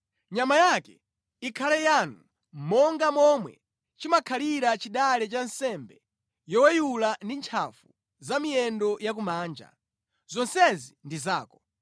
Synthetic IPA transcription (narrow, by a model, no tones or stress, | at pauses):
ɲamajakɛ | ikʰalɛjanu | m̩mɔŋɡamɔmwɛ̰ | t͡ʃimakʰaliɾat͡ʃiɗalɛt͡ʃansɛmbɛ | jɔwɛjulandint͡ʃʰa̰fu | zamiɛndɔjak̬umaːnd͡ʒa̰ | zɔnsɛzindizaːkɔ